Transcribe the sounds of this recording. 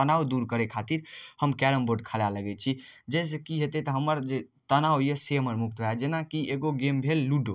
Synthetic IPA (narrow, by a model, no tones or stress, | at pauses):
ənawd̪uɾkəɾekʰat̪iɾhəmkɛɾəmboɖkʰəlaləɡɛt͡ʃʰid͡ʒɛs̬ekiɦet̪ɛt̪əɦəməɾd͡ʒet̪ənawjeseɦəməɾmuk̚t̪ɦojad͡ʒenakieɡoɡembʱelːuɖo